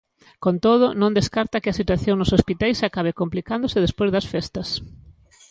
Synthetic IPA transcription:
kont̪oðʊnõnd̪eskaɾt̪ɐkɪɐsit̪waθjoŋnʊsospit̪ajsakaβekomplikand̪ʊsɪðespojzðɐsfɛst̪ɐs

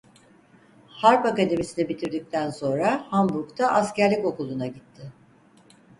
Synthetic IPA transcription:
haɾpakad̪e̞misinɛbit̪ʰiɾd̪ic̚t̪ʰænso̞nɾahambuɾkt̪ʰaʔascæɾlʲico̞kulˠunaɟit̪ʰːɪ

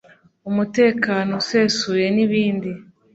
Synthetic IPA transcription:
umute̞ːkaːno̞se̞suje̞niβiːndi

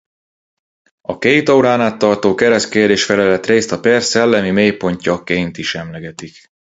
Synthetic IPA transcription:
ɒkejt̪ɒuɾaːnaːt̪ːɒrt̪oːkɛɾɛskeːrd̪eːʃfɛlɛlɛt̪reːst̪ɒpɛrsɛlːɛmimeːjpo̞ɲcɒkeːjnt̪iʃɛmlɛɡɛt̪ik

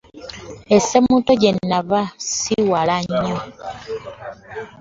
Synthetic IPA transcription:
esemutoɟe̞nnːaβasiwalaɲːo

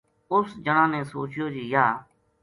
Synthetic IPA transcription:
ʊsd͡ʒəɳãːnẽːsoːt͡ʃjoːd͡ʒiːjaː

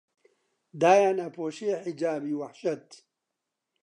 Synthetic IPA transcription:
d̪aːjaːnɐpʰoːʃieħid͡ʒaːbiːwaħʃɐt̪

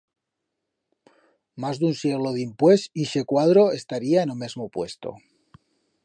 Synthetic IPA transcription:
mazðunsjeɣ̞loðimpwesiʃekwað̞ɾoe̞st̪aɾiaenomezmopwe̞st̪o̰

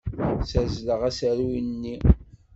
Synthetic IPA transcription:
sæzləʁæsæɾinnːi

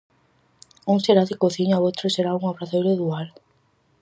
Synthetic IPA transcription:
uŋseɾaðɪkoθiɲaoowt̪ɾoseɾauŋaβɾaθejɾoðual

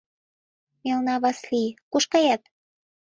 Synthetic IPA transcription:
melnɑβɑslikuʃkɑjɑt̪

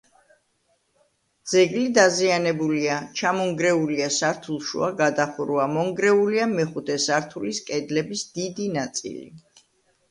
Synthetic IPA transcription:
d̪z̥ɛɡlid̪azianɛbuliat͡ʃʰamɔŋɡɾɛuliasaɾt̪ʰulˠʃṵaɡad̪aχuɾuamɔŋɡɾɛuliamɛχud̪ʰɛsaɾt̪ʰuliskʼɛd̪lɛbisd̪̥id̪inat̪sʼḭlḭ

